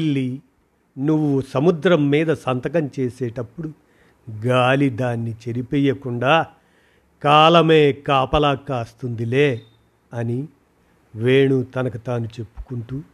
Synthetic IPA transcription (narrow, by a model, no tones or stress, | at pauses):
lːi | nuʋːusɐmud̪ɾɐmːiːd̪ɐsɐnt̪ɐkɐmt͡ʃeːseːʈɐpːuɽu | ɡaːlid̪aːnːit͡ʃe̞ɾipijːɐkuɳɖaː | kaːlɐme̞ːkaːpɐlaːkːaːst̪und̪ileː | ɐni | ʋeːɳut̪ɐnɐkut̪aːnut͡ʃe̞pːu̥kuɳʈu